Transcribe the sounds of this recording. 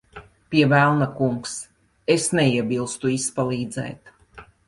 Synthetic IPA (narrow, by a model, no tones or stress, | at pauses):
pʲiɛvælˠnakuŋks | esnɛiɛbilˠst̪uispalˠiːd̪zɛ̰ːt̪